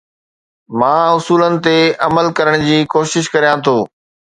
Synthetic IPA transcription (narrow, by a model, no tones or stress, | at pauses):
mãːʊsuːlənɪ̆t̪eɐməlkɐɾəɽ̃d͡ʑiːkoːʃɪʃkɐɾijãt̪ʰoː